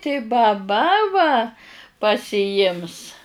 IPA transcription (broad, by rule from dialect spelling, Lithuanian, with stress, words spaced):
tɐɪ bɐˈbɐ ʋɐ pɐsʲɪˈjɪms